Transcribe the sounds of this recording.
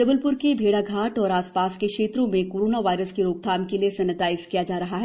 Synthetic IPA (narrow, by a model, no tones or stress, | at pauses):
dɐbəlpʊɾkebʱeːɽaɡʱaːʈɔːɾaːspaːskekʃeːt̪ɾõmẽkoːɾoːnaʋaːɪɾəskeɾoːk̚t̪ʰaːmkeliesɐnːət̪aːɪzkijad͡ʒaːɾɐɦaɦɛ